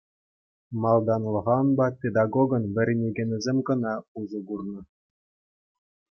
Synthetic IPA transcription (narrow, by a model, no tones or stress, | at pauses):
mɑlˠd̪ɑnlˠɤ̆ʁɑnbɑtʲed̪ɑɡoɡɤ̆nʋʲɘ̆ɾʲenʲeɡʲĕnʲɘ̆zʲemʲɡɤ̆nɑuʐɤ̆ɡurnɤ̆